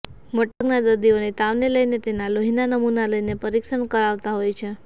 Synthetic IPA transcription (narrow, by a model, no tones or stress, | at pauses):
məʈəknad̪əɾd̪ionit̪aʋneləjnet̪enaloɦinanəmunaləjnepəɾikʃəɳkəɾaʋt̪aɦojt͡ʃʰe